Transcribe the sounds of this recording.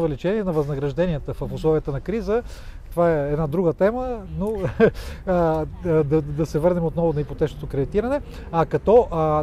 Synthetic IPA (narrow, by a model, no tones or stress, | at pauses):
vɛlit͡ʃɛniɛnɐvɐznɐɡɾɐʒd̪ɛnijət̪əfəfʊslˠɔvijət̪ənɐkɾizət̪ovaɛɛd̪nad̪ɾuɡət̪ɛməno | d̪ɐd̪ɐsɛvɤɾnɛmot̪nɔvʊnɐipot̪ɛt͡ʃnot̪okɾɛd̪it̪iɾɐnɛ | ɐkɐt̪ɔʔ